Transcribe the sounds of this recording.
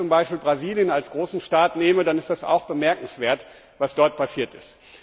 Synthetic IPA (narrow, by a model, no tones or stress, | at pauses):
ʊmbaɪʃpiːlbʁaziːljənalsɡ̥ʁoːsn̩ʃtaːtneːmədanɪstd̥asa̰ʊxb̥əmɛɐkŋ̩sv̥eːɐt | vasd̥ɔɐt̚pʰasiːɐtɪst